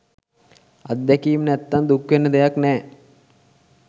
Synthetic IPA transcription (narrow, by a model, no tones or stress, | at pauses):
ad̪̚d̪ɛkijmnæt̪ːand̪ukʋenːəd̪ejaknɛː